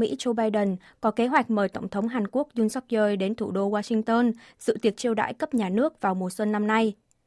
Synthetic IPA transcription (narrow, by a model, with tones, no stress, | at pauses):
mḭ˧˥t͡ɕo˧ɓaː˧jɗə˨˩n | kɔ˨˦ke˨˦ɦwa˨˩jk̟̚məː˨˩jt̪ə˧˩wŋ͡mt̪ʰə˨˦wŋ͡mɦaː˨˩nku˦˥ək̚zu˧nsa˦˥t̚zəː˧jɗe˨˦nt̪ʰu˧˩ɗo˧waː˧sï˧ŋt̪əː˧nzɨ̰˧˨t̪i˨˩ək̚t͡ɕi˧əwɗa̰ː˧˥jkə˦˥p̚ɲaː˨˩nɨ˦˥ək̚vaː˨˩wmo˨˩t̚swə˧nːa˧mna˧j